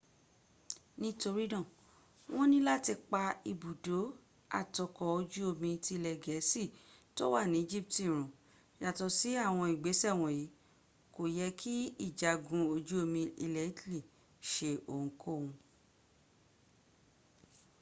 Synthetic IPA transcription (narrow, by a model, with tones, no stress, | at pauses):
nĩ˦to˧ɾi˦dã˦˨ | w̃ɔ̃˦nĩ˦la˦˨ti˧k͡pa˧i˧bu˨do˨˦ | a̰˦˨tɔ˧kɔ˨o˧d͡ʒu˦o˦˧˨mĩ˧ti˧lɛ˨ɡɛ˨˦si˦˨to˦wa˦˨nĩ˨˦d͡ʒi˦˨p̚tĩ˨ɾ̃ũ˨ | ja˨tɔ˧si˦a˦˨w̃ɔ̃˧i˨ɡ͡be˨˦sɛ˦˨w̃ɔ̃˧ji˨˦ | ko˨jɛ˧kʰi˦i˦˨d͡ʒa˨ɡũ˧o˧d͡ʒu˦o˦˧˨mĩ˧i˧lɛ˨i˦ti˦li˦˨ | ʃe˧o˨ŋ̩̃˨˦kʰo˦˨ũ˧